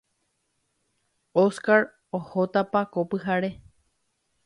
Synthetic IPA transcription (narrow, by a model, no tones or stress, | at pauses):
oskaɾ | ohot̪apakopɨɦaɾe